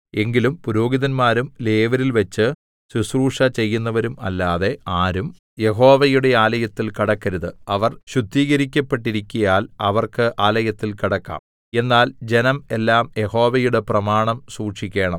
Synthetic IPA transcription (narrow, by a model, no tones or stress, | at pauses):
e̞ŋɡilumpuɾoːɡiðɐnmaːɾumle̞ːʋɐɾilʋɐt͡ɕːɨ | susruːʂɐt͡ɕe̞jːunːɐʋɐɾumɐ̰lːaːðe̞aːɾum | je̞ɦo̞ːʋɐjuɽe̞aːlɐjɐt̪ːilkiɽɐkːɐɾuðɨɐʋɐrɕud̪ʱːiːɣɐɾikʲːɐpːeʈːiɾikʲːujaːlɐʋɐrkɨʔaːlɐjɐt̪ːilkiɽɐkːa̰ːm | e̞nːaːld͡ʑe̞nɐmelːaːmje̞ho̞ːʋɐjuɽe̞prɐmaːɳɐmsuːʂikʲːe̞ːɳɐm